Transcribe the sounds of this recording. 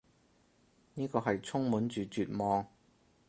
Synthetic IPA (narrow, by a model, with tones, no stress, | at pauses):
niː˥kɔː˧ɦɐ˨jt͡sʰʊ˥ŋmuː˨˥nt͡ʃyː˨˧t͡ʃyː˨t̚mɔː˨ŋ